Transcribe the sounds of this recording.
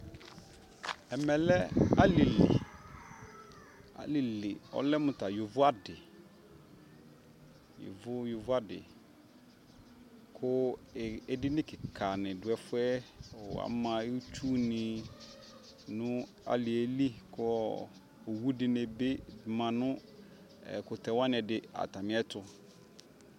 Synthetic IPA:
ɛ˨mɛ˨lɛ˦a˦lɪ˨lḭ˨ | a̰˦lɪ˨lɪ˨ɔ̰˦lɛ˦mʊ̃˨ta˨jʊ˨vʊ˦a˦dɪ˨ | jʊ̰˨vʊ˦jʊ˨vʊ˦a˦dɪ̰˨ | kʰʊ˦˨ɛ˦dɪ˦nɪ̃˦kɪ˨kʰa˨nɪ̃˨dʊ˨ɛ˦fʊ˦ɛ̰˦˨a̰˨˦mã˨˦u˦t͡ʃu˦nɪ̃˨ | nʊ̃˦ | a̰˨lɪ˨e˨˦li˦kʰʊ˦˨ | o˨wu˦dɪ˨˦ne˨be˦˨mã˨nʊ̃˦ | ɛ̰˨kʊ˨tʰɛ˨wa˦nɪ̃˨ɛ˨dɪ˨a̰˨ta˨mɪ̃˦ɛ˦tʰʊ˦

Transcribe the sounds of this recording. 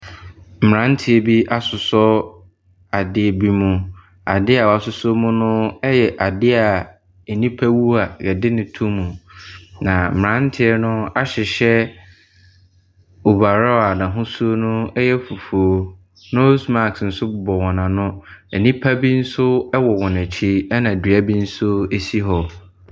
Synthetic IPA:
m̩˨ɾã˨˦n̩˦tʰɪ˨ɛ˨bi˦ʔa˨sʊ˨sɔ˦ | a˨dɪ˦ɛ˨bi˦mũ˨ | a̰˨dɪ˦a˨wa˨sʊ˨so˦mũ˦nʊ̃˦ɛ˦jɛ˨ʔa˨dɪ˦a˨ | e˨nĩ˦pʰa˦wu˦a˨jɛ˨dɪ˦nɪ̃˨tʰũ˦mũ˨nã˨m̩˨ã˦n̩˦tʰɪ˦ɛ˦nʊ̃˦a˦ɕɪ˨ɕɛ˦ | u˨ba˨ɾa˦˨a˨nã˨ɦʊ̃˦su˦o˦nʊ̃˦ɛ˦jɛ˦fu˨fu˨o˦ | nʊ̃˦sma˦˨ksn̩˨sʊ˦˨bɔ˨wɔ̃˨nã˨nʊ̃˦ɛ˨nĩ˦pʰa˦bi˦n̩˦sʊ˦ɛ˦wɔ˨wɔ̃˨næ˨t͡ɕʰi˦ɛ˦nã˨dɥa˦bi˦n̩˦sʊ˦e˦si˦ɦɔ˨

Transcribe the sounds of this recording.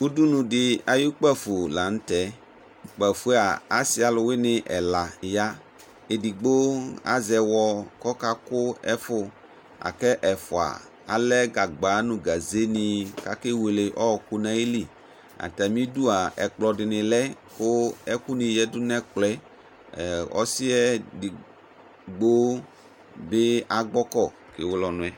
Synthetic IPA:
u˦du˦nũ˨dɪ˨a˨ju˦k͡pɛ˦fʊ˨la˨n̩˦tɛ˨˦ | k͡pɛ˨fu˦a˨a˦sɪ˦a˨lʊ˨wɪ˦nɪ˨ʔɛ˨la˨ja˦ | e˨di˨ɡ͡bo˦a̰˦zɛ˨wɔ˨kɔ˦ka˦kʊ˦ɛ˦fʊ˦ | a̰˨kɛ˦ʔɛ˨fʊ˨a̰˨ | a̰˨lɛ˦ɡa˨ɡ͡ba˨˦nʊ̃˨ɡa˨ze˦nɪ˨ka˨ke˦we˨le˨ʔɔ˦ɔ˨kʊ˦nã˨i˦li˨ | a̰˨ta˨mĩ˦du˦a˨ɛ˨k͡plɔ˨dɪ˨nɪ̃˨lɛ˦ | kʊ˦ɛ˦ku˦nĩ˨jɛ˦dʊ˦nɛ˦klɛ˦˨ | ɔ̰˦sɪ˦ɛ˦di˨ | ɡ͡bo˦ | bɪ˦a˨ɡ͡bɔ˦kɔ˦˨ | ke˨wʊ˦lɔ˨nʊ̃˨ɛ˨

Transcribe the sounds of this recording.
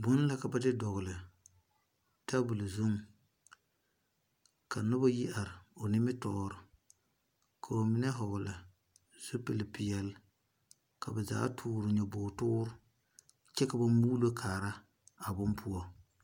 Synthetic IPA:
bʊ˦n˦la˦ka˨ba˦dɪ˦dɔ˨ɣʊ˨lɪ˨ | ta˦bʊ˨lɪ˨zʊ˦ŋ˨ | ka˨nʊ˦ba˦ji˦a˨ɾɪ˨o˨nɪ˦mɪ˦tɔː˦ɾʊ˨ | kʰa˨o˨mɪ˦nɛ˦ɦɔ˨ɣʊ˨la˨ | z̥u˦pɪ˨lɪ˨pɪ˨jɛ˨l | ka˨ba˨za̰ː˦tʰʊː˦ɾʊ˨ɲɛ˨bʊː˨tʊː˦ɾʊ˦ | t͡ʃɛ˦ka˨ba˦muː˦lo˦kʰaː˨ɾa˦ | a˨bʊ˦npʰu˦ɔ˦

